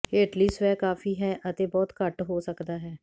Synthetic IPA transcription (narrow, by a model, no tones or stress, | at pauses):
eːʈliːsʋɛːkaːfiːɦɛːʔət̪eːbɔːt̪kəʈɦoːsəkd̪aːɦɛː